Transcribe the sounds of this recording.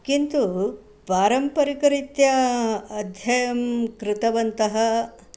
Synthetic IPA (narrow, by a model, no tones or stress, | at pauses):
kint̪u | paːɾɐmpɐɾikɐɾit̪jɐː | d̪ʱjɐjɐmkɾɪt̪ɐʋɐnt̪ɐɦɐ